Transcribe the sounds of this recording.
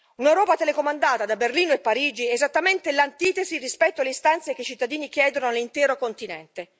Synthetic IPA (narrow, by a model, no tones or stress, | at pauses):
unewɾɔːpat̪elekomand̪aːt̪ad̪aberliːnoepːaɾiːd͡ʒiezat̪ːament̪elant̪iːt̪ezirispɛt̪ːoalːeist̪ant̪sekeit͡ʃit̪ːad̪iːnik̟jɛːd̪onolint̪ɛːɾokont̪inɛ̰nt̪e